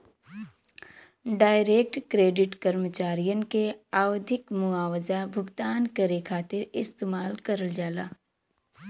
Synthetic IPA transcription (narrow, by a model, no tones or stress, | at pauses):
ɖaːɪɾeːk̚ʈkɾeːɖɪʈkəɾmət͡ʃaːɾijənkeaːwd̪ʱɪkmʊaːwəzabʱʊɡt̪aːnkəɾekʰaːt̪ɪɾɪst̪eːmaːlkɐɾəld͡ʒaːlaː